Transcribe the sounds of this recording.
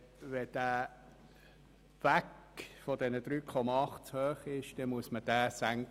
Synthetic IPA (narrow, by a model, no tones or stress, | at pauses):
ʋɛd̥æː | ʋæk | fɔdɛnəd̥̪ɾyːkʰɔmɑɑχtt͡shøːχɪʃd̥ɛmuəsməd̥æːsæŋk